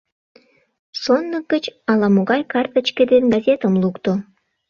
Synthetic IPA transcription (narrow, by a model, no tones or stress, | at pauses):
sonːək̚ɡət͡ɕɑlɑmoɣɑjkɑrt̪ə̆t͡ɕkĕd̪enɡɑzʲet̪əmlukt̪o